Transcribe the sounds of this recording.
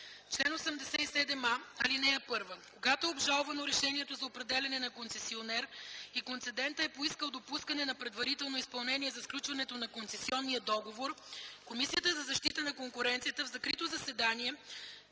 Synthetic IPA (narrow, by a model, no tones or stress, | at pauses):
t͡ʃlɛnosɛmd̪ɛsɛisɛd̪ɛmaɐlinɛɛpɤɾvəkoɡat̪oɛobʒalˠvɐnoɾɛʃɛniɛt̪ozɐopɾɛd̪ɛlʲɐnɛnɐkonsɛsionɛɾikont̪sɛd̪ɛnt̪əɛpoiskəlˠd̪opuskɐnɛnɐpɾɛd̪vɐɾit̪ɛlˠnoispɐlˠnɛniɛzɐfklʲut͡ʃvɐnɛt̪onɐkonsɛsiɔnːijəd̪ɔɡovoɾkomisijət̪əzɐzɐʃt̪it̪ənɐkoŋkʊɾɛnt̪sijət̪əvzɐkɾit̪ozɐsɛd̪aniɛ